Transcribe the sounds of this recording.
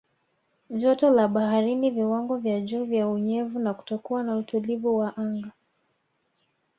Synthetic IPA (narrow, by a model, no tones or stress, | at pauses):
ʄɔtɔlaɓahaɾiniviwaŋɡɔvjaʄuːvjauɲɛvunaku̥tɔkuwanautulivuwaʔaŋɡa